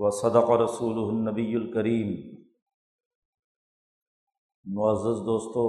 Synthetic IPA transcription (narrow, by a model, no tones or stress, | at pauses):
wɐsɑd̪ɑqɑɾɑsuːlʊɦʊnːɐbijːʊlkɐɾiːm | mʊɐzːɪzd̪oːst̪oː